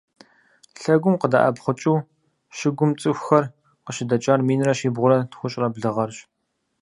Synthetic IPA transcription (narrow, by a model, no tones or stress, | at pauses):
ɬɐɡʷʊmqəda̰ʔɐbχʷʊt͡ʃʼuː | ʃɪɡʷʊmt͡sʼɨxʷxɐr | qəɕɪdɐt͡ʃʼaːrmiːnrɐɕiːbʁʷʊɾɐtxʷʊɕʼrɐbɮɨʁɐrɕ